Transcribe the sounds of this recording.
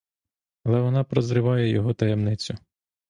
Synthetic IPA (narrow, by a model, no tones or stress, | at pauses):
ɐlˠɛʋɔnɑpɾɔzɾɪʋɑjɛjɔɦɔt̪ɐjɛmnɪt͡sʲʊ